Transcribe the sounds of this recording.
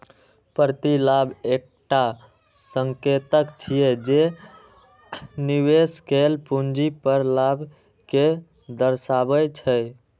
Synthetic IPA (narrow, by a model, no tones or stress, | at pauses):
pəɾt̪ilabek̚ʈa | səŋket̪əkt͡ʃʰijed͡ʒe | nibeskelpund͡ʒipəɾlabʱ | ke | d̪əɾsabət͡ʃʰə